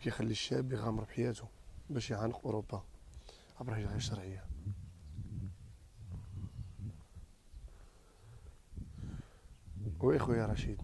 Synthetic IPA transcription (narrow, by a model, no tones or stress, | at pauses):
kæjxælːiʃæbjɣæmɾˤbħajæt̪ubæʃjʕanəqʔʊɾobːa | ʕabɾˤɑhiʒɣiʃɑɾˤʕəjːa | wæxwæjɑɾˤɑʃid̪